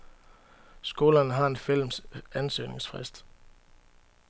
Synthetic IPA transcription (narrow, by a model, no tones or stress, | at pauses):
sɡ̥o̝ːlɐnəɦɑ̈e̝nfil̰msænsø̰ːne̝ŋsfʁɛ̰sd̥